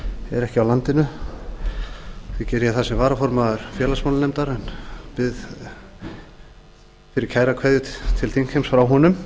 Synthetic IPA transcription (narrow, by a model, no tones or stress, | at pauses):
ɛ̰ɾɛhcɪawlant̪ɪnʏ | fvɪcɛːɾjaθasɛmvaːɾafɔɾmaðʏɾ̥fjɛːlasmawlanejmt̪aɾɛnpɪð | fɪɾɪɾ̥cʰaːjɾakʰvɛːðjʏt̪ʰɪlt̪ʰiŋkʰhejmsfɾawɦɔnʏm